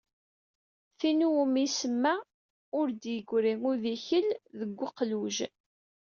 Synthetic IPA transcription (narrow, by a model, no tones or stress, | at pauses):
θinumisəmːæ | ʊɾd̪jəɡʷɾiŋʊðiçəlðəɡʷːʊqluʒ